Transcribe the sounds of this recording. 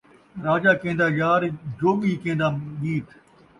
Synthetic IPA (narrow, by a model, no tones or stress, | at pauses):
ɾaːd͡ʒaːkẽːnd̪aːjaːɾd͡ʒoːɓiːkẽːnd̪aːmiːt̪ʰ